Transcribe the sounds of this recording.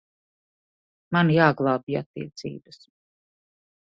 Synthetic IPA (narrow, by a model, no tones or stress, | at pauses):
manjaːɡlˠaːbia̰t̪ːḭɛt̪sḭːbɨs